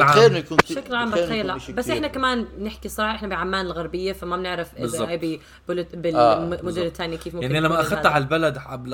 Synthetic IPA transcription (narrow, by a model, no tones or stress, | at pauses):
ʕaːenu̥ːʃaklʕaːmbatxajːalabasːʔɪħnakamaːnnɪħkisˤɑɾˤɑːħɑʔɪħnabiʕamːaːnɪlɣaɾbɪjːafamabnɪʕɾɪfzʔajbi | b̥ɪlbɪmʊd͡ʒɪlt̪ːaːnjikiːfmʊmaʕnilamːaʔaxad̪ɦalbalad̪abl